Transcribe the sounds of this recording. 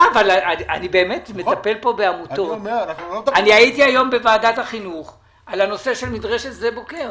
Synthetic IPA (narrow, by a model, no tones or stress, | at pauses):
avalaaanibe̞ːme̞tme̞tape̞lpo̞beamut̪o̞ | anihaitiajo̞mbevaːdathaχinuχ | alano̞se̞ʃe̞lmidʁeʃetzebo̞ke̞ʁ